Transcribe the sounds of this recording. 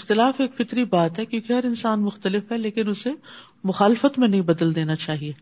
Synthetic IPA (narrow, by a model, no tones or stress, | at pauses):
ɪxt̪ɪlaːfeːkfɪt̪ɾibaːt̪ɦɛkjõːkeɦɐɾɪnsaːnmʊxt̪əlɪfɦɛleːkɪnʊse | mʊxaːlɪfət̪mẽnɐɦĩbɐd̪əld̪eːnat͡ʃaːɦieː